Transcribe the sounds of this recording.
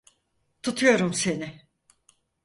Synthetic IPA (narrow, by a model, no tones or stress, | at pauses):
t̪ʰut̪ʰujo̞ɾumse̞nɪ